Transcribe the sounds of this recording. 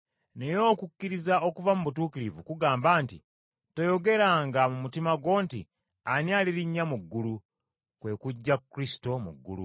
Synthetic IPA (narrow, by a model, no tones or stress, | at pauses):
ne̞jo̞ːkukːiɾizao̞kuvamuβutuːkiɾivṵkuɡaːmbaːntḭ | tojo̞ɡe̞ɾaŋɡamumutimaɡwo̞ːntḭ | anjaːliɾiɲːamuɡːulu | kwe̞ːkuɟːakːɾisi̥to̞mṵɡːṵlṵ